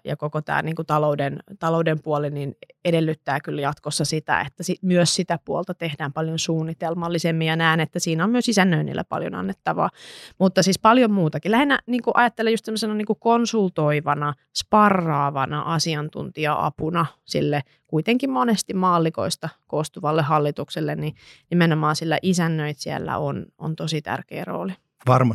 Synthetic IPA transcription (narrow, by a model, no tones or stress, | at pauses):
jɑ̰kokot̪æ̰ːniːŋkut̪ɑloudent̪ɑloudempuolininedelːyt̪ːæːkyljɑt̪kosːɑsit̪æ̰ḛt̪ːæsimyøssit̪æpuolt̪ɑt̪ehdæːmpɑljonsuːnːit̪elmɑlːisemːijɑnæːnet̪ːæsiːnæommyøsisænːøinḭlːæ̰pɑ̰ljo̰nɑ̰nːet̪ːɑʋɑ̰ːmut̪ːɑsiːspɑljommuːt̪ɑkilæhinːæniːŋkuʔɑjɑt̪ːelːejust̪semːosenɑniːŋkukonsult̪oiʋɑnɑ | spɑrːɑːʋɑnɑʔɑsiɑnt̪ṵnt̪iɑʔɑ̰punɑsḭlːe | kuit̪eŋkimmonest̪immɑːlːiko̰ist̪ɑkoːst̪uʋɑlːehɑlːit̪ukselːenninimenomɑːnsilːæʔisænːøit̪siæ̰lːæ̰ono̰nt̪osit̪æ̰rkḛːro̰ːli | ʋɑrmɑ